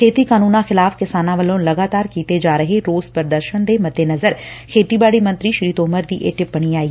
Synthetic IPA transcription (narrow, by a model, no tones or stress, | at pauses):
kʰeːt̪iːkaːnuːnãːxɪlaːfkɪsaːnãːʋəlõːləɡaːt̪aːɾkiːt̪eːd͡ʒaːɾəɦeːɾoːzpəɾd̪əɾʃənd̪eːmət̪eːnəzəɾkʰeːt̪iːbaːɽiːmə̃nt̪ɾiːʃɾiːt̪oːməɾd̪ḭːʔeːʈɪp̚bəɽ̃iːaːi